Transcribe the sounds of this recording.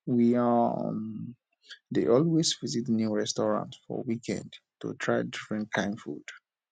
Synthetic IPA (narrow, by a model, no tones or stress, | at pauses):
wiam | deʔɔlwesvizitnjuɹɛstɔɹã̰ntsfɔ̰wikʰɛ̰̃ndtṵtʰɹaɪdifɹɛ̃nkʰãɪ̃mfṵd̥